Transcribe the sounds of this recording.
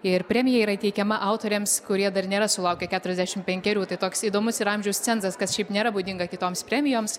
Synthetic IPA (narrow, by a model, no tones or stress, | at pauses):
ɪrpʲɾʲæːmʲɪjɛiːɾɐɪt̪ʲɛɪkʲɛmɐʔɐʊt̪oːɾʲeːmskʊɾʲiɛd̪ɐrnʲeːɾɐsʊlˠɐʊkʲɛkʲæːt̪ʊɾʲɛzʲd̪ʲæːʃʲɪmpʲɛŋʲkʲɛɾʲuːt̪ɐɪt̪oːksiːd̪oːmʊsɪɾɐmʲʒʲɛʊst͡sʲɛntzɐskɐsʃʲɛɪpnʲeːɾɐbuːd̪ʲɪŋɡɐkʲɪt̪oːmspʲɾʲæːmʲɪjoːms